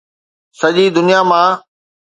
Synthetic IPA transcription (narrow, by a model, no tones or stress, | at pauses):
sɐʄid̪ʊnijamãː